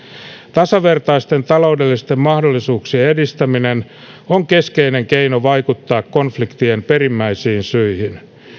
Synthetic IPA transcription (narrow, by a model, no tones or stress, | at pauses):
t̪ɑsɑʋe̞rt̪ɑist̪e̞nt̪ɑlo̞ude̞lːist̪e̞mːɑhdolːisuːksieedist̪æminen | oŋke̞ske̞ine̞ŋke̞inoʋɑjkut̪ːɑːkko̞nflikt̪iempe̞rimːæisiːnsyihin